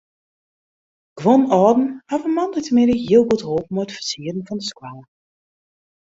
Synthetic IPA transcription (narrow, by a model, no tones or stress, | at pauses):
ɡ̥ʋonɔːdn̩hafənmɑndətəmɪnəɦiəlˠɡutɦoːp̚mojətfərsiədən̩vɔndəskwaː